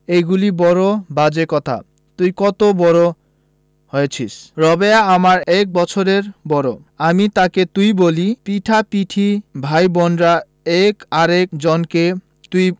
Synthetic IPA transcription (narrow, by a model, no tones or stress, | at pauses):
ejɡulibɔɾobad͡ʑekɔt̪ʰa̰ | t̪ujkɔt̪obɔɾo | hɔjet͡ɕʰisɾɔbeaamaɾɛk̚bɔt͡ɕʰoɾeɾbɔɾo | amit̪aket̪ujbolipiʈʰapiʈʰibʱajbɔnɖɾa | ɛkaɾekd͡ʑɔnke | t̪uj